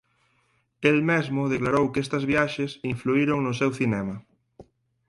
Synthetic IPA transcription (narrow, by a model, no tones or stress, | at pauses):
elmezmʊð̞eklaɾowkest̪ɐzβjaʃesiɱfluiɾoŋnʊsewθinɛmɐ